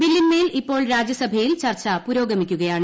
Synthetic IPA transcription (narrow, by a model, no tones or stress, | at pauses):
bilːinmeːlipːo̞ːɭɾaːd͡ʑjɐsɐbʱɐjilt͡ɕɐrt͡ɕːɐpuɾo̞ːɡɐmikʲːuɣɐjaːɳɨ